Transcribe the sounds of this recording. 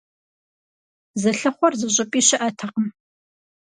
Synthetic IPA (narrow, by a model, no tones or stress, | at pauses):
zɐɬɐχʷɔrzɨʑʼɪpʼiːɕɪʔɐtʰɐqəm